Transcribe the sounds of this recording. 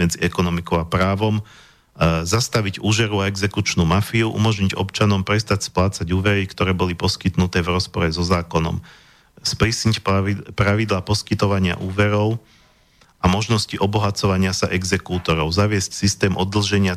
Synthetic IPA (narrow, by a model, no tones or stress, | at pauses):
mɛd͡ziɛkɔnɔmikɔʊapɾaːʋɔm | zast̪aʋiɟuːʒɛɾuaɛɡzɛkut͡ʃnuːmafiuʔṵmɔʒɲiɟɔ̰pt͡ʃanɔmpɾɛst̪acsplaːt͡saɟuːʋɛɾikt̪ɔɾɛːbɔlipɔskit̪nut̪ɛːʋɾɔspɔɾɛzɔzaːkɔnɔ̰m | spɾisɲicpɾaʋid̪laːpɔskit̪ɔʋaɲɪa̰ʔuːʋɛɾɔʊ | ʔamɔʒnɔsciʔɔbɔɦat͡sɔʋaɲɪasa̰ʔɛɡzɛkuːt̪ɔɾɔʊzaʋɪɛscsist̪ɛːmʔɔd̪l̩ʒɛɲɪa